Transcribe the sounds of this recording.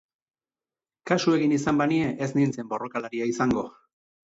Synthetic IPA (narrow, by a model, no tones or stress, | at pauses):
kasue̞ɣinisambanie̞ʔeznint͡se̞mbo̞ro̞kalaɾiaisaŋɡo̞